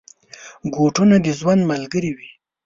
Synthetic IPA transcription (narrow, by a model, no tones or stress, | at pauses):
ɡoʈunad̪əzwand̪malɡəɾiwi